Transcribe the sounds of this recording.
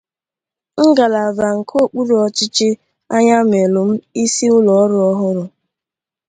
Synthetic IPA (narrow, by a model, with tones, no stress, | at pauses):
ŋ̩˦ɡa˨la˨va˨ŋ̩˨kʰo˦˨k͡pu˦ɾɔ˨t͡ʃɪ˦t͡ʃɪ˦ | a˦ɲa˦m˨e˨lʊ˨m̩˦i˦si˦ʊ˦lɔ˨˦ɾʊ˦ɔ˦ɦʊ˦ɾʊ˨